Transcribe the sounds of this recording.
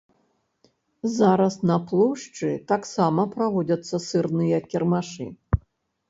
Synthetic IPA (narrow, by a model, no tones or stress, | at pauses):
zaɾɐsnɐplˠɔwʂt͡ʂɨt̪aksamɐpɾavɔd͡zʲɐt̪sːɐsɨrnɨjɐkʲɛrmaʂɨ̰